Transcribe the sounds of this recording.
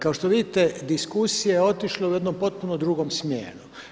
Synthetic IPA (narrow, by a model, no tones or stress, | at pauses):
kaoʃt̪oʋid̪it̪ed̪iskusijeeo̞t̪iʃleuje̞d̪no̞mpo̞t̪̚punod̪ɾuɡomsmjḛːnu